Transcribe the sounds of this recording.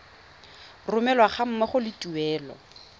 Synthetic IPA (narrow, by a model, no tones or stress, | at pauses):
rʊmɛlwaχam̩mɛχʊlɪtuɛːlɔ̰